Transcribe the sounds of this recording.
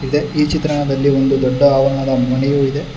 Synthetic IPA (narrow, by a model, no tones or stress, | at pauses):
id̪e̞iːt͡ʃit̪ɾɐɳɐd̪ɐlːio̞nd̪ud̪ɔɖːɐaːʋɐnad̪ɐmɐnɛjuːid̪e̞